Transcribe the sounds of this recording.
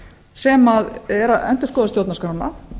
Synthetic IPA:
sɛmaðɛɾaɛ̰nt̪ʏ̥skɔːðast̪jowt̪naskɾanːa

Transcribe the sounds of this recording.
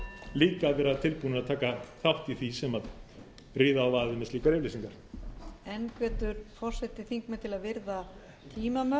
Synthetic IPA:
liːkavɛɾaðt̪ʰɪlpuːnɪɾaðt̪ʰaːkaθawht̪iθisɛmað | ɾiːðaːwvaːðɪmɛstliːkaɾɪvlejsiŋkaɾ̥ | ɛnkvɛːt̪ʏɾ̥fɔr̥sɛt̪ɪθiŋkmɛt̪ʰɪlaðvɪɾða | t̪ʰiːmamœ

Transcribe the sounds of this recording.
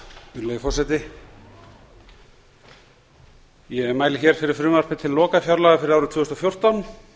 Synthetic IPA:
ʏlœjɪfɔrsaɛjt̪ɪ | jɛɛmaːjlɪçɛɾ̥fɪɾɪɾ̥fɾʏːmar̥pɪt̪ʰɪlːɔːkafjawɾlaɣafɪɾɪɾawɾʏt̪ʰvʏːst̪ɔfjowr̥t̪awn

